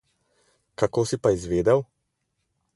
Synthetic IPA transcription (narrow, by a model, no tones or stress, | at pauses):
kakoːsipaizʋeːd̪ɛw